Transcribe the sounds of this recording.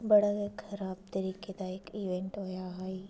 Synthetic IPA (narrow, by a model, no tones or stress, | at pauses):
bɐɽəɡekxɐɾaːb̚t̪ɐɾiːked̪aekiːʋẽɳʈɦojaɦaːi